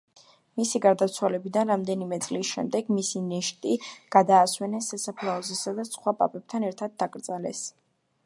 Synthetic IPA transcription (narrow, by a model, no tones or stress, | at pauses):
misiɡaɾd̪at̪sʰwalɛbid̪anɾamd̪ɛnimɛt̪sʼlisʃɛ̰md̪ɛɡmisinɛʃt̪ʼiɡ̥ad̪aːswɛnɛsːasapʰlˠaɔzɛsad̪asχwapʼa̰pʼɛb̚t̪ʰanɛɾt̪ʰad̪̚ːakʼɾd̪zʼalɛs